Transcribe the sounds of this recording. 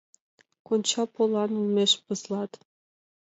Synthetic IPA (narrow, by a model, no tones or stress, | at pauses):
konʲt͡ɕɑpolɑnulmeʃpɤslɑt̪